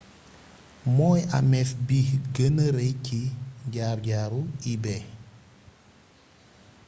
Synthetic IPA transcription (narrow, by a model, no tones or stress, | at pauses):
mɔːja̰mɛfbihɡənəɾɛjciɟaːɾɟaːɾuibɛ